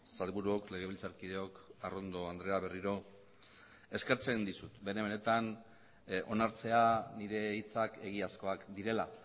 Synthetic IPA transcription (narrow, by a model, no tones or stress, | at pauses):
salβuɾuo̞kle̞ɣ̞e̞βilt͡saɾkiðe̞o̞karo̞nd̪o̞and̪ɾe̞aβe̞riɾo̞ | e̞ske̞ɾt͡seind̪isut̪benemene̞t̪an | o̞naɾt͡se̞aniɾe̞it͡sake̞ɣ̞iasko̞akd̪iɾe̞la